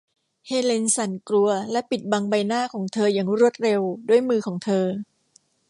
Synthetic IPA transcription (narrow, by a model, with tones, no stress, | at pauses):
heː˧le˧nsa˩˦nkɾu˧ɐlɛ˦˥pi˨˩t̪̚ba˧ŋba˧jnaː˥˩kʰɔː˩˦ŋt̪ʰɤː˧jaː˨˩ŋɾu˥˩ət̪̚ɾe˧wdu˥˩əjmɯː˧kʰɔː˩˦ŋt̪ʰɤː˧